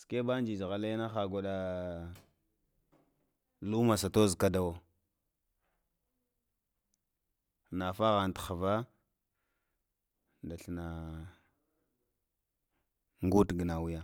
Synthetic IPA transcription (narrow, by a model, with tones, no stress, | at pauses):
ske˦ba˦n˦d͡ʒi˨d͡ʒɣa˨la˦jna˦xa˨ɡʷo˨ɗa˦ | lu˦ma˨sa˨to˦zka˦da˨wo˨ | na˨fa˦ɣa˨n˨txa˨va˦ | nda˨ɬna˨ | ŋɡu˦tɡə˨na˨wu˦ja˦